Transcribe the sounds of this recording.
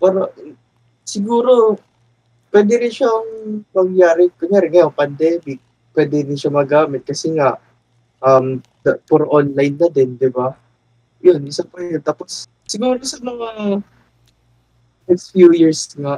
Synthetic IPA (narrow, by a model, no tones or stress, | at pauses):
paːɾo | sɪɡuːɾo̞ | pwɛːd̪ɪɾɪnʃaːŋmɐŋjaːɾɪkɛnaɾɛŋɐjoŋpɐnd̪ɛːmɪk̚ | pwɛːd̪ɛɾɪnʃamɐɡaːmɪt̪̚kɐsɛŋaʔ | ʔɐm | d̪ɐpɔɾʔonlajnːɐd̪ɛnd̪ɪba | jonɪsapɐjont̪aːposː | ɪɡuːɾoɪsanɐŋɐ | nɛkst̪fjujiɹsŋaʔ